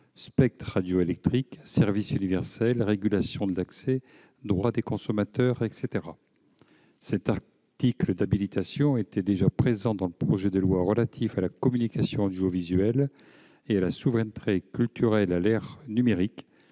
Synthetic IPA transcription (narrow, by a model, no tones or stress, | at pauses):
spɛk̚t̪χad̪joelɛk̚t̪χiksɛʁvisynivɛʁsɛlʁeɡʲylasjɔ̃d̪əlaksɛ | d̪ʁwad̪ekɔ̃sɔmat̪œʁɛkset̪eʁa | sɛt̪aʁ | t̪ikləd̪abilit̪asjɔ̃et̪ɛd̪eʒapχezɑ̃d̪ɑ̃ləpχɔʒɛd̪əlwaʁəlat̪ʰifalakɔmynikasjɔ̃d̪yovizɥɛl | ealasuvʁɛnt̪ʰekʲylt̪yʁɛlalɛʁnymeʁik